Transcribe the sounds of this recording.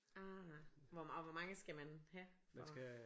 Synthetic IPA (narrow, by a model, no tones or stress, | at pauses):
aʋɒɒʋɒmɑ̈ŋəsɡ̥æmænhæɒs